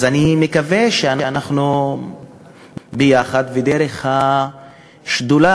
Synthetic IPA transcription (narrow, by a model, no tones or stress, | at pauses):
zanimekaveʃeaneanaχnu | bejaχad̪ved̪eɾeχha | ʃd̪ula